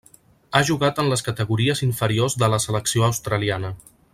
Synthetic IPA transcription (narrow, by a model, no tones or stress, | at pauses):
aʒuɣat̪ənləskət̪əɣuɾiəziɱfəɾiozðələsələksioəwst̪ɾəlianə